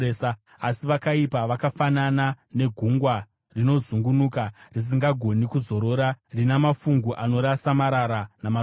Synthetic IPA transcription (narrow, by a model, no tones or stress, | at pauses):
esa | asiʋakaipaʋakafanana | ne̞ɡʱuŋɡwa | rino̞zuŋɡunuːkaris̬iŋɡaɡʱo̞nikuzo̞ɾo̞ɾarinamafuŋɡuʔano̞ɾasamaɾaɾanama